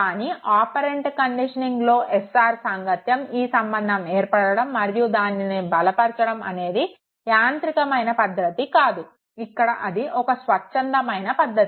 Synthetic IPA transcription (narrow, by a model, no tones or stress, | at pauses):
kaːniʔaːpɐɾe̞ɳʈkɐɳɖiʂɐniŋɡlo̞ːʔesaːɾsaːŋɡɐt̪jɐmiːsɐmbɐnd̪ʱɐmeːɾpɐɽɐɽɐmːɐɾjud̪aːninibɐlɐpɐɾt͡ʃɐɽɐmɐ̰ne̞ːd̪i | jaːnt̪ɾikɐmɐjnɐpɐd̪ːɐt̪ikaːd̪u | ikːɐɽɐʔɐd̪iʔɔkɐsʋɐt͡ʃːt͡ʃːɐnd̪ɐmɐjnɐpɐd̪ʱːɐt̪i